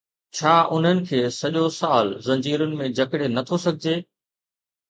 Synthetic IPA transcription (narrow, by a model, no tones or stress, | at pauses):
t͡ɕʰaːʔʊn̤ənɪ̆kʰeːsɐʄosaːlzɐ̃ɲd͡ʑiːɾʊnɪ̆mẽd͡ʑʱɐkɪɽenɐt̪ʰosɐɡʱɪd͡ʑeː